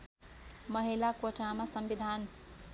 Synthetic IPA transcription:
mʌɦilakoʈamasʌmbid̪ʱan

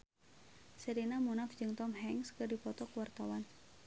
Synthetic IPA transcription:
səɾinamunafd͡ʒɨŋt̪ɔmɦɛŋskərdipɔt̪ɔkəwart̪awan

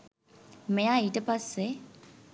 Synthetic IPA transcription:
mɪaitʼɛpʼasɪ

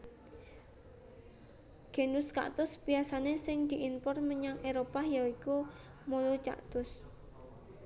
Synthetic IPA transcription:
ɡ̥enuska̰ʔt̪ʊsbiasanesɪŋd̪̥i̤ʔinpɔrməɲaŋeɾopajaiku | molot͡ʃa̰ʔt̪ʊs

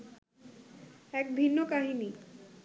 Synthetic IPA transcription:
ɛk̚bʱinːokaɦini

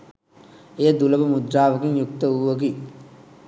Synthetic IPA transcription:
ejəd̪uləbəmud̪ɾaːʋəkiŋjuk̚t̪əuʋəɡi

